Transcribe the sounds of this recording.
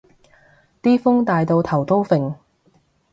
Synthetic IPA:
t̪iː˥fʊ˥ŋt̪aː˨˧jt̪o˧wt̪ʰɐ˨˩wt̪o˥wfɪ˨ŋ

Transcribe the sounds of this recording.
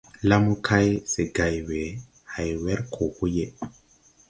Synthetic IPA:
la˦mu˦kʰa˦jse˨ɡa˨jwe˨ | ha˨jwɛ˦ɾkʰo˨hu˦je˨

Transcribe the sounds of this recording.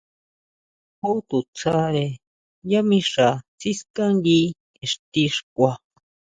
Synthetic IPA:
ho˦t̪u˨t͡sʰa˦ɾe˧ | ja˦mĩ˧ʂa˨t͡si˦ska˦ndi˦ | e˨ʂt̪i˧ʂkʷa˧

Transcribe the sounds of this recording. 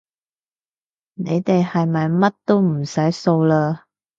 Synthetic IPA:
ne˨˧jt̪e˨jhɐ˨jmɐ˨jmɐ˥t̚t̪o˥wm̩˨˩sɐ˨˥jso˧wlaː˧

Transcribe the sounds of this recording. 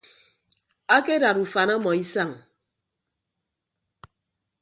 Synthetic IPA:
a˦ke˦da˨ɾu˨fa˨na˦mɔ˨i˦sa˦˨ŋ

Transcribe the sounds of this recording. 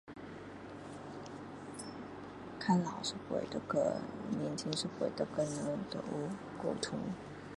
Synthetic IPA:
kʰa˥nlɑ˨˩ʊʂɻ̩˥˩xwḛ˨˩ɪd̪ə˦kə̰˧˩nɛ˧˥nt͡ɕʰi˥nʂɻ̩˥˩xwḛ˨˩ɪd̪ə˧˦kə˥nə˧˥d̪ə̰˧˥ | ko˥˩ʊt̪ʰʊ˧˥ŋ

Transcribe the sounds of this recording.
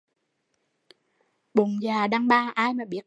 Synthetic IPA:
ɓʊ˨ŋ͡mzaː˨˩ɗaː˧ŋɓaː˧˩ʔaː˧jmaː˨˩ɓi˨˦˥ət̚

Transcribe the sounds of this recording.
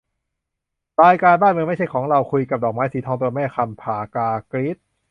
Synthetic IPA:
ɾaː˧jkaː˧nbaː˥˩nmɯ˧ma˥˩t͡ɕa˥˩jkʰɔː˩˦ŋɾa˧wkʰu˧jka˨˩p̚dɔː˨˩k̚maː˦˥jsiː˩˦t̪ʰɔː˧ŋt̪u˧ɐmɛː˥˩xʰa˧mpʰaː˨˩kaː˧kɾi˦˥t̪̚

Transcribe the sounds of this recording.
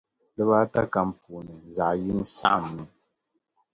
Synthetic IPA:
lɨ˦βa˦ta˦ka˨m̩˨pu˨nɨ˨za˨ʔji˦n˦sa̰˦ʔmːi˦

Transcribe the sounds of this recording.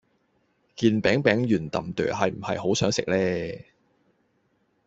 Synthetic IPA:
kiː˧npɛː˨˥ŋpɛː˨˥ŋjyː˨˩nt̪ɐ̰˨mt̪œ̰ː˨˩hɐ˨jm̩˨˩hɐ˨jho˨˥wsœː˨˥ŋsɪ̰˨k̚lɛː˥

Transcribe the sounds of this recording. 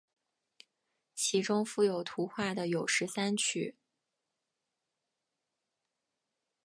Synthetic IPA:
t͡ɕʰi˧˥ʈ͡ʂʊ˥ŋfu˥˩jo˨˩ʊt̪ʰu˧˥xwa˥˩d̪ə˩jo˨˩ʊʂɻ̩˧˥sa˥nt͡ɕʰy˥˩

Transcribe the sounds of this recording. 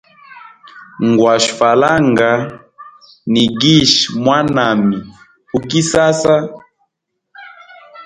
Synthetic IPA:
ŋɡwa˨ʃfa˨la˦ŋɡa˨ | ni˨ɡi˦ʃmwa˦na˨mi˨ | hu˨ki˦sa˦sa˦

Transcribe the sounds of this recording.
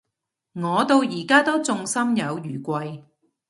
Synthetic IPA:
ŋɔː˨˧t̪o˧wjiː˨˩kaː˥t̪o˥t͡sʊ˧ŋsɐ˥mjɐ˨˧wjyː˨˩kʷɐ˧j

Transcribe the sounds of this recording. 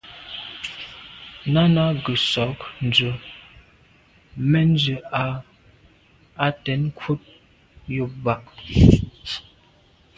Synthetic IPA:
na˦na˦ɡə˨sɔ˨˦kn̩˨d͡ʒə˨ | mɛ˦n˦d͡ʒə˨a˨ | a˦tɛ˨˦n˦kʰwu˦t̚ | jo˦ba˦˨ʔ

